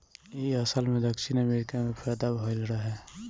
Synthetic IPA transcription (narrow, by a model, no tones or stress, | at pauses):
iəsəlmẽd̪əkʃinəmeɾɪkamẽpʰɛːd̪abʱolɾəɦɛː